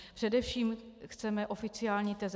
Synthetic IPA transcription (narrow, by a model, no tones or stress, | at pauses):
ppr̥ɛdɛfʃiːmxt͡sɛmɛʔo̞fɪt͡sɪaːlɲit̪ɛz